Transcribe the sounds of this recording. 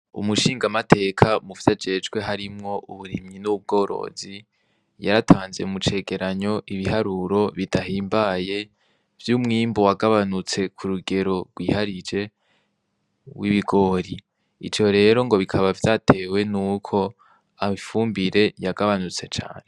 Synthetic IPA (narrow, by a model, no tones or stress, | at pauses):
ṵmuʃiːŋɡamatʰe̞ːkʰamuvjad͡ʒe̞d͡ʒwe̞ɦaɾimŋo̞ʔuβuɾimɲinuub̚ɡo̞ːɾo̞̰zi | jaɾatʰaːnze̞̰mut͡ʃe̞ːɡe̞ɾaɲo̞ʔiβiɦaɾuɾo̞βidaɦiːmbaje̞ | v̥juːmŋiːmbowaɡaβanut͡se̞kʰuɾuɡe̞ɾo̞ɾɡwiːhaɾid͡ʒe̞ | wʔiβiɡo̞ːɾi | ḭd͡ʒjo̞ɾe̞ːɾo̞ŋɡo̞βikʰaβavjatʰe̞ːwe̞nuːkʰo̞ | amifuːmbiɾe̞jaɡaβanut͡se̞t͡ʃa̰ːne̞